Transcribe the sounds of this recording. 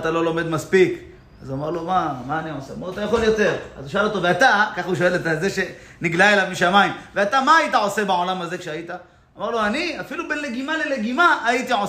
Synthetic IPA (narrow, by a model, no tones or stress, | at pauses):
t̪alo̞lo̞me̞d̪maspik | azuamaʁlomamaːniʕoseamaat̪ajaχo̞ljo̞t̪e̞ʁazuʃaalo̞t̪oveat̪akaχuʃo̞elet̪alzeʃe̞ | niɡlaelavmiʃamaimveat̪amaːit̪aʕo̞se̞beʕo̞lamaze̞kʃeait̪aː | maʁloaniafilubenleɡimale̞leɡimaʔːit̪iʕo